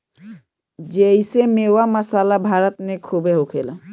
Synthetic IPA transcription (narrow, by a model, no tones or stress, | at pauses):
d͡ʒejsemewamasalabʱaɾɔt̪nekʰubeɦokʰela